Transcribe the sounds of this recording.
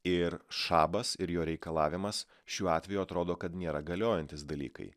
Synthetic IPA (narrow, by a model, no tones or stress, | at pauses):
ɪɾʃɑːbɐsɪɾjoːɾʲɛɪkɐlˠɑːʋʲɪmɐs | ʃʲuːɑːt̪ʲʋʲɛjuɐt̪ɾoːd̪oːkɐt̪nʲeːɾɐɡɐlʲoːjɛnʲt̪ʲɪsd̪ɐlʲḭːkɐ̰ɪ